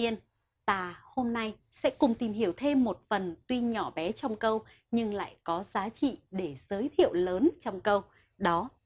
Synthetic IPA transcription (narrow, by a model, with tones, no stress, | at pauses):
i˧ən | t̪aː˧˩ho˧mna˧j | sɛ̰˧˥kʊ˨˩ŋ͡mt̪i˨˩mɦi˧˩əwt̪ʰe˧mːo˨˩t̚fə˨˩nt̪wi˧ɲɔ˧˩ɓɛ˨˦t͡ɕɔ˧wŋ͡mkə˧w | ɲɨ˧ŋla̰ː˧˨jkɔ˨˦zaː˨˦t͡ɕḭ˧˨ɗe˧˩z̥əː˨˦jt̪ʰḭ˧˨əwləː˨˦nt͡ɕɔ˧wŋ͡mkə˧w | ɗɔ˨˦